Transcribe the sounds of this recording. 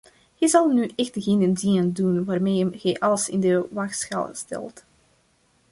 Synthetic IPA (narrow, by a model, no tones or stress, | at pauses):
hɛjzɑlˠnyʔɛxtɣɪnənziəndunʋaːrmejəmɣɛjʔɑləsɪ̰ndəʋaxsxa̰lstɛ̰lˠt